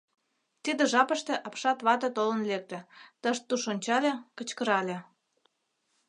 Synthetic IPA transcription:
t̪id̪ĕʒɑpə̆ʃt̪ĕʔɑpʃɑt̪βɑt̪ɤt̪olənlek̚t̪ĕt̪əʃt̪ːuʃonʲt͡ɕɑlʲekət͡ɕkəɾɑlʲĕ

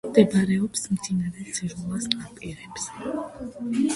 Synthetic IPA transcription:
d̪ɛbaɾɛɔpsmd̪inaɾɛsiʒulˠasapʼiɾɛps

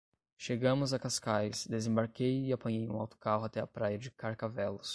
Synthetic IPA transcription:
ʃeɡɐ̃mʊzakaskajsd̪ezẽbaɾkejɪapɐ̃ɲejũawt̪ʊ̥kaɦʊat̪ɛɐpɾajɐd͡ʒɪkaɾkavɛlʊs

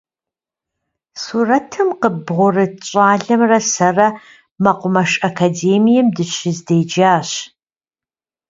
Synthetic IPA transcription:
suːrɐtʰɨmqəbʁʷʊrɨɕʼaːɮɐmrɐsɐrɐ | mɐqʷʊmɐʃʼɐkʰaːdeːmijɛmdɨɕɪzdejd͡ʒaːɕ

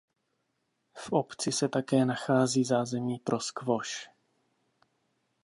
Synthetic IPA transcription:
fʔopt͡sɪsɛt̪akɛːnaxaːziːzaːzɛmiːpɾʔo̞skvoʃ

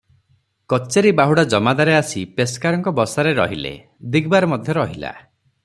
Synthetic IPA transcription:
kɔt͡ʃeɾibaɦuɽad͡ʒɔmad̪aɾeasipeskaɾɔŋkɔbɔsaɾeɾɔɦilḛ | d̪iɡbaɾɔmɔd̪ʱjɔɾɔɦila̰

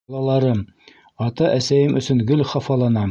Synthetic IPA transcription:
lˠɑlˠɑɾɤm | ɒt̪ɑʔæsæjɘmɵ̆sɵŋɡɵlχɑfɑlˠɑnɑ

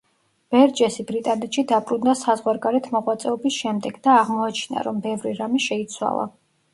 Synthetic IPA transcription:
b̥ɛɾd͡ʒɛsibɾit̪ʼanɛt̪ʃid̪apʼɾund̪asazʁwaɾɡaɾɛt̪ʰmɔʁwat̪sʼɛɔbisʃɛmd̪ɛɡ̥d̪aːʁmɔat͡ʃʰna̰ɾɔmbɛvɾiɾamiʃɛit̪sʰwa̰lˠa̰

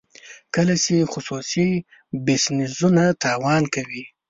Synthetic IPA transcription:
kəlat͡ʃexʊsusi | bɪsnɪzunat̪ɑwɑnkawi

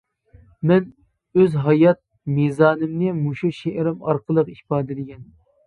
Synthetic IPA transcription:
mɛn | øzɦɑjɑt̪̚ | mizɑːnɪmnɪmuʃuʃeʔɾɪmɑ̰ɾqʰəlˠəqihpɑːd̪ɪd̪ɪɡʲɛn

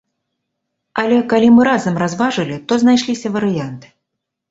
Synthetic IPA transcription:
ɐlʲɛkalʲimɨɾazɐmrazvaʐɨlʲit̪ɔznajʂlʲisʲɐvɐɾɨjant̪ɨ̥

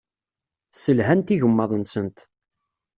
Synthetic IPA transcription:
səlɦænt̪iʝəmːɑðˤənsənt̪

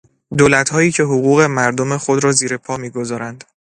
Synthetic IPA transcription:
d̪oːlæt̪hɒːjiːcʰe̞ɦoɣuːɣe̞mæɾd̪ome̞xo̞d̪ɾɒːziːɾe̞pʰɒːmiːɡo̞zɒːɾænd̪̥

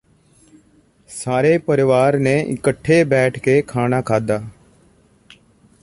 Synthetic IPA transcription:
saːɾeːpəɾɪʋaːɾnẽːʔɪ̰kəʈʰːeːbɛːʈʰkeːkʰaːnaːkʰaːd̪aː

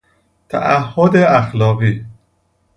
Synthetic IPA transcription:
t̪ʰæ̰ʔæɦːod̪eæxlɒːɣiː

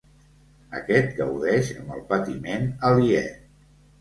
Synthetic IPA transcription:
ə̰kɛt̪̚ɡəwðɛʃəmbəlˠpət̪imenəliɛ

